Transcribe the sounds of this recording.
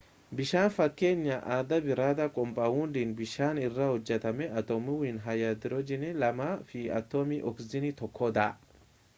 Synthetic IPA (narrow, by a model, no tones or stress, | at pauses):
bɪʃaːnfɐkːe̞ːɲːɐʔaːd̪ɐbɪɾaːd̪ɐkʼɔmpʼaːhʊnd̪iːnbɪʃaːnɪrːɐhɔd͡ʒːɛt̪ɐmɛʔɐt̪ɔmɪwiːnɦɐjɐd̪ɪɾɔd͡ʒɪnɛlɐmafiɐ̰t̪ːomiʔɔkzɪnɪt̪ɔkʰːɔd̪aːʔ